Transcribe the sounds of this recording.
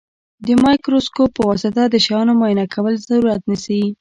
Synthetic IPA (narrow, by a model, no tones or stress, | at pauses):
d̪əmɑjkɾoskopəwɑsɪt̪ad̪əʃajɑnomɑjɪnakʰawəlzaɾuɾat̪nisai